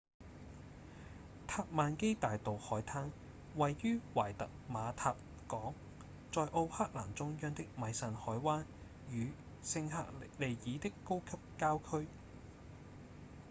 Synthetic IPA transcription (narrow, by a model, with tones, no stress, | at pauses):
t̪ʰaː˧p̚maː˨˧nke˥jt̪aː˨jt̪o˨whɔː˨˥jt̪ʰaː˥ŋ | wɐ˨jːyː˥wa̰ː˨˩jt̪ɐ˨k̚maː˨˧t̪ʰaː˧p̚ | kɔː˨˥ŋ | t͡ʃɔː˨jʔo˧whaː˥k̚la̰ː˨˩mt͡sʊ˥ŋjœː˥ŋt̪ɪ˥k̚mɐ˨˧jsɐ˨nhɔː˨˥jwaː˥n | jyː˨˧ | sɪ˧ŋɦa̰ː˧˥k̚le˨jjiː˨˧t̪ɪ˥kːo˥wkʰɐ˥p̚kaː˥wkʰɵ˥ɥ